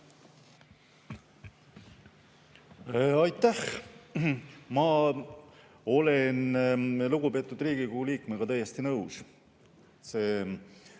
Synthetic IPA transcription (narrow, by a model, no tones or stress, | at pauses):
ɑjt̪ːæh | mɑ | o̞lenluɡ̥upe̞ːt̪ˑːud̪riːɡ̥ikohuliːkmeɡ̥ɑt̪æjest̪inɤws | se̞ː